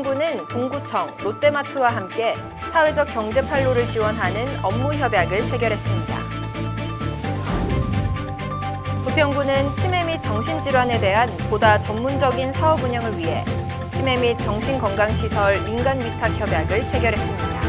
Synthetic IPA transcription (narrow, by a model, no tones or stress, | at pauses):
ŋɡunɯnkoŋɡut͡ɕʰʌŋɾot͈e̞matʰɯwaɦamk͈e̞ | sʰawe̞d͡ʑʌk͈jʌŋd͡ʑe̞pʰaɭːoɾɯɭt͡ɕiwʌnɦanɯnʌmːuçjʌbjaɡɯɭt͡ɕʰe̞ɡjʌɾɦe̞s͈ɯmɲida̰ | pupʰjʌŋɡunɯnt͡ɕʰime̞mit̚t͡ɕ͈ʌŋɕʰind͡ʑiɾwane̞de̞ɦanpodat͡ɕʌmːund͡ʑʌɡinsʰaʌbuɲʌŋɯɭɥiɦe̞̰ | t͡ɕʰime̞mit̚t͡ɕ͈ʌŋɕʰinkʌŋɡaŋɕʰisʰʌɭminɡanɥitʰak̚ʰçjʌbjaɡɯɭt͡ɕʰe̞ɡjʌɾɦe̞s͈ɯmɲid̥a